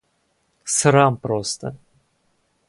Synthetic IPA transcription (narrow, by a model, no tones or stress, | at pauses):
sɨɾampɾost̪ə̰